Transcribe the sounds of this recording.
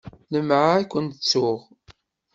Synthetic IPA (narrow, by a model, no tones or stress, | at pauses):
ləmʕaækʷːənt̪ət͡sːʊʁ